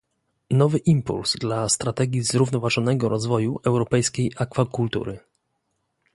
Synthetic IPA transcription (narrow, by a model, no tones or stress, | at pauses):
nɔvɘʔimpṵlz̥d̪last̪ɾat̪ɛɡʲizɾuvnɔvaʐɔnɛɡɔɾɔzvɔjuʔɛwɾɔpɛjskʲejʔakfakult̪ṵɾɘ